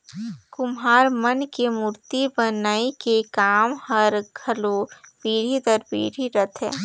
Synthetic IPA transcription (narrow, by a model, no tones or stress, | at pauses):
kʊmɦaːɾmənkemuːɾt̪ibənaːikekaːmhɐɾɡʱɐlobiːɽ̤it̪əɾbḭːɽ̤iɾət̪ʰɦɛ̰ː